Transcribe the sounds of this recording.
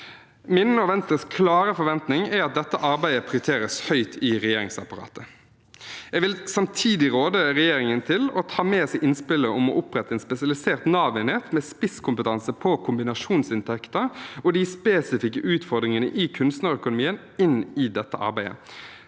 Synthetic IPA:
mɪnənəɔʋɛnt̪əskʰlɑːɾəfɔʋɛnt̪nɪŋæɾɑt̪̚d̪ɛt̪ːəʔɑɾbæɪəpʰʁɪʊɾt̪ʰeːɾəshœʏt̪ʰɪʁɛjeːɾɪŋsɑpɑʁɑ̰ːt̪ə | ɛɡʋɪlsɑmt̪ʰiːd̪ɪʁoːd̪əɾɛjeːɾɪŋənt̪ʰɪlɔt̪ʰɑːmeːsɛɪʔɪnspɪlːəɔmɔʔʊpɾɛt̪ːəɛːnspɛsɪɑlɪseːʁt̪nɑːʋɪneːt̪mɛːspɪskʰʊmpət̪ʰɑnsəpʰɔkʰʊmbɪnɑʂuːnsɪnt̪ʰɛkt̪əɾɔd̪ɪspeːsɪfɪkːəʔʉːt̪fɔʁd̪ɾɪŋənə̰ʔɪkʰʉnst̪nɑʁɾœkʊnʊmiːən | ɪnɪd̪ɛt̪ːəʔɑ̰ɾbæɪə̰

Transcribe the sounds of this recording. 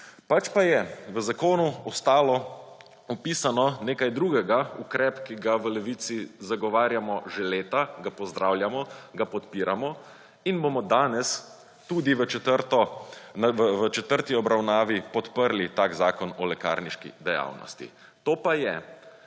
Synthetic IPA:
pat͡ʃpajɛʋəzakoːnuɔst̪aːlɔ | ɔpisanɔneːkajd̪ɾuːɡɛɡaukɾɛpkiɡaʋəlɛʋit̪sizaɡɔʋaːɾjamɔʒeleːt̪aɡapɔzd̪ɾawljamɔɡapɔt̪piːɾamɔ | inbomɔd̪aːnɛs | t̪ud̪iʋət͡ʃɛt̪əɾt̪ɔnʋəʋət͡ʃɛt̪əɾt̪iɔbɾawnaːʋipɔt̪pəɾlit̪aːkzaːkɔnɔlɛka̰ːɾniʃkḭd̪ɛja̰ːwnɔ̰st̪ḭ | t̪oːpajɛ

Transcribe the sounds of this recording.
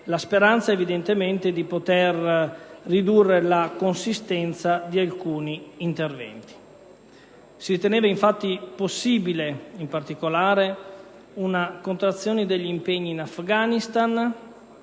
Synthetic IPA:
laspeɾant̪saevid̪ent̪ement̪ed̪ipot̪erː | id̪urːelakonsist̪ɛnt̪sad̪ialkuːniːnt̪ervɛ̰nt̪i̥ | siɾit̪eneːvaiɱfat̪ːiposːiːbileimpart̪ikolaːɾe | unakont̪ɾat̪sːjoːned̪eʎːimpeɲːiːnafɡaːnist̪an

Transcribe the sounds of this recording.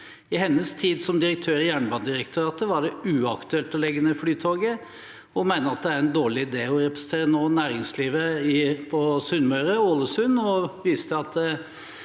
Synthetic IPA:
ɪɦɛnːəst̪ʰiːd̪sɔmd̪ɪɾək̚t̪ʰøːɾɪjæːɳəbɑnd̪ɪɾəkt̪ʰʉɾɑt̪əʋɑɖɛʉɑkt̪ʉɛlt̪ɔlɛɡːənəflyːt̪ʰoːɡə | ɔmæɪnəɾɑt̪̚d̪ɛæɾɛnd̪oːɭɪɪd̪eːɔɾɛpɾɛsən̩t̪ʰeːɾənoːnæːɾɪŋsliːʋəɪpʰɔsʉnmœʏɾəoːləsʉnɔʋiːst̪əɑt̪

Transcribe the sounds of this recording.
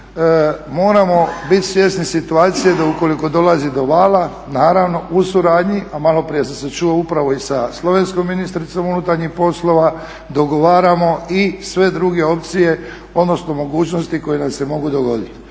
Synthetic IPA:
mo̞ːɾamo̞bit̪sʋje̞snisit̪uaːt̪sijed̪auko̞liko̞d̪o̞lazid̪o̞ʋaːla | naːɾaʋno̞ʔusuɾaːd̪ɲiʔamalo̞pɾije̞s̬amset͡ʃuoupɾaʋo̞isaslˠo̞ʋensko̞mːinist̪ɾit̪so̞munut̪aɾɲixpo̞slˠo̞ʋa | d̪o̞ɡo̞ʋaːɾamo̞isʋe̞d̪ɾuɡe̞o̞p̚t̪sije̞ | o̞d̪no̞sno̞mo̞ɡuːt͡ʃno̞st̪iko̞jenase̞mo̞ɡud̪oɡo̞d̪it̪

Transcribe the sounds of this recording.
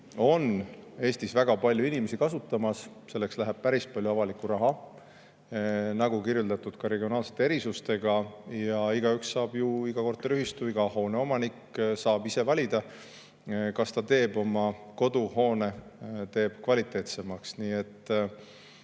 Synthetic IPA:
o̞ne̞ːst̪isvæɡ̥ɑpɑlʲjuinime̞sikɑsut̪ːˑɑmɑs | se̞lːe̞kslæɦæb̥̚pæɾis̚pɑlʲjuɑvɑlikːˑuɾɑɦɑ | nɑɡukirjult̪ɑt̪ːˑud̪̥kɑɾe̞ɡio̞nɑːlset̪ːeeɾisust̪e̞ɡ̥ɑjɑiɡɑykssɑːb̥juiɡɑko̞rt̪ːelyɦist̪uiɡ̥ɑho̞ːne̞o̞mɑnikːsɑːbise̞vɑlʲid̪̥ɑ | kɑst̪ɑt̪e̞ːbo̞mɑko̞d̪̥uho̞ːne̞t̪e̞ːb̥̚kvɑlʲit̪ːˑe̞ːt̪se̞mɑksniːe̞t̪ːˑ

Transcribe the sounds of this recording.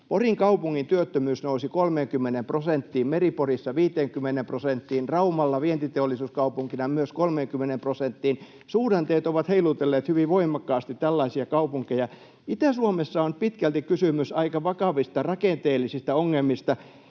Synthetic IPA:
poriŋkɑupuŋːint̪yøt̪ːømyːsnousikolmeːŋkymːenemprosent̪ːiːmmeriporisːɑʋiːt̪eːŋkymːenemprosent̪ːiːnrɑumɑlːɑʋient̪it̪eolːˑisuːskɑupuŋkinɑmyøskolmeːŋkymːenemprosent̪ːiːn | suːɾɑnt̪eːt̪oʋɑt̪heilut̪elːeːt̪hyʋiʋʋoimˑɑkːɑːst̪it̪tælːɑisiɑkɑupuŋkejɑ | it̪æsuomesːɑonpit̪kælt̪ikkysymysɑikɑʋɑkɑʋist̪ɑrɑkent̪eːlːˑisist̪æoŋːelmist̪ɑ

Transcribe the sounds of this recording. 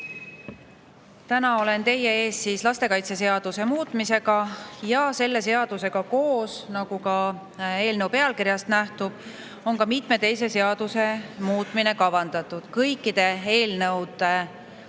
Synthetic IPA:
t̪ænɑo̞le̞nt̪e̞jee̞ːst̪siːslɑst̪e̞kɑjt̪se̞se̞ɑd̪̥use̞muːt̪ˑmise̞ɡɑjɑse̞lːe̞se̞ɑd̪̥use̞ɡ̥ɑko̞ːsnɑɡ̥ukɑ | e̞ːlnɤwpe̞ɑlkiɾjɑst̪næht̪ub̥ | o̞nkɑmit̪ˑme̞t̪e̞jse̞se̞ɑd̪̥use̞muːt̪ːˑmine̞kɑvɑnd̪̥ɑt̪ːˑud̪̥kɤjkˑːid̪̥e̞e̞ːlnɤwd̪̥e

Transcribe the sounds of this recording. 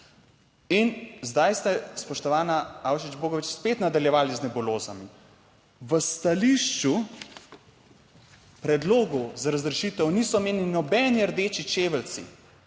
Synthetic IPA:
inzd̪ajst̪ɛspɔʃt̪ɔʋaːnaawʃid͡ʒboːɡɔʋit͡ʃspeːt̪nad̪aljɛʋaːliznɛbuloːzami | ʋəst̪aliːʃt͡ʃu | pɾɛd̪loːɡɔzaɾazɾɛʃiːt̪ɛwniːsɔmeːnlinɔbɛniəɾd̪eːt͡ʃit͡ʃeːʋəlsḭ

